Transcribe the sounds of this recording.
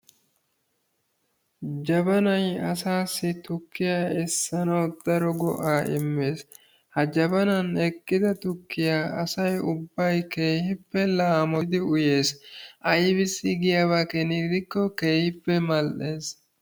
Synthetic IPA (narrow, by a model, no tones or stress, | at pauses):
d͡ʒɐbɐnɐjɐsaːsːɪt̪ʊkːɪjaːɛsːɐnɐwd̪̥ɐɾɔɡɔ̰ʔaːʔɪmːe̞ːs | hɐd͡ʒɐbɐnɐnɛkːɪd̪ɐt̪ʊkːɪjaːɐsɐjʊbːɐjke̞ːhɪpːɛlaːmɔd̪ɪʊje̞ːsʔɐjbɪsːɪɡɪjaβaːkɛnɪɡd̪ɪkːɔke̞ːhɪpːɛmɐlʔe̞ːs